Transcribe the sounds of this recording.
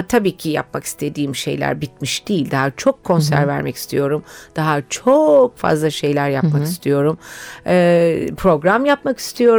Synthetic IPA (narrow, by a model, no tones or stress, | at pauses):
t̪ʰabiːcʰija̰p̚maki̥st̪ʰe̞d̪iːmʃe̞̰jlʲæ̰ɾbit̪̚miʃd̪̥ijilʲd̪aɦat͡ʃʰo̞kʰːo̞nsæ̰ɾvæ̰ɾmɛci̥st̪ʰḭjo̞ɾumd̪̥aɦat͡ʃʰo̞kfa̰zlˠaʃe̞jlʲæɾjapmaki̥st̪ʰijo̞ɾumɛːpʰɾo̞ɡɾamjapmaki̥st̪ʰijo̞ɾ